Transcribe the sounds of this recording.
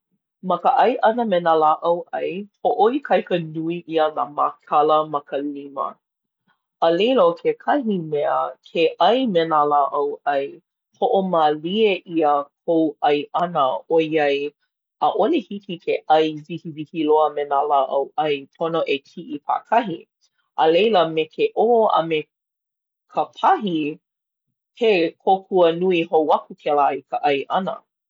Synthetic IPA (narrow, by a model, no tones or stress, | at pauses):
mɐkəʔɐjʔɐnəmenalaʔɐwʔɐjpʰoʔoikʰɐjkənuiʔiəna̰ma̰kʰɐləmɐkʰəlimə̰ | əlelokʰekʰɐɦimeəkʰeʔɐjmenalaʔɐwʔɐj | pʰoʔomalieʔiəkʰowʔɐjʔɐnəojɐj | əʔolehikikʰeʔɐjzihivihiloəmenalaʔɐwʔɐjpʰonoʔekʰiʔipʰa̰kʰɐɦi | ʔəlejləmekʰeʔoɐ̰me | kʰəpʰɐɦi | kʰekʰokʰuənuiɦowɐkukʰɛlaikʰəʔɐjʔɐnə̰